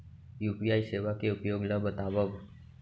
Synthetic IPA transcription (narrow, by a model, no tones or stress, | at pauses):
jupijajseʋakeupjoɡlabət̪aʋəʋ